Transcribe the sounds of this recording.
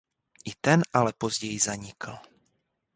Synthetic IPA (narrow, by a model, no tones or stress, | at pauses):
ʔit̪ɛnʔalɛpozɟɛjizaɲɪkl̩